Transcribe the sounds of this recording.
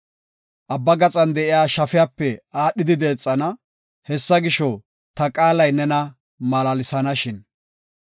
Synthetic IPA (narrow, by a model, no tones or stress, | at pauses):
ʔɐbːɐɡɐt͡sʼɐnd̪ɛʔɪjaːʃɐfɪjaːpːɛaːɗːɪd̪ɪd̪eːt͡sʼːɐnɐ | hɛsːɐɡɪʃɔ | t̪ɐkʼaːlɐjnɛnɐ | mɐlalɪsɐnɐʃɪn